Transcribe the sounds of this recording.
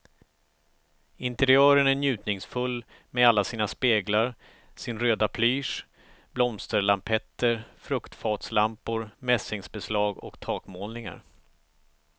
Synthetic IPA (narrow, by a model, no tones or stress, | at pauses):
ɪnt̪ɛɾɪœːɾənæɳjʉ̟ːt̪nɪŋsfɵlː | mɛalːasiːnaspeːɡlaɾ | sɪnɾøːd̪apʰlyːʂ | blɔmst̪əɾlampʰɛt̪ːəɾfɾɵkt̪fɑːt̪slampʊɾmɛsɪŋsbɛslɑːɡɔ̰kt̪ʰɑːkmoːlnɪŋa̰ɾ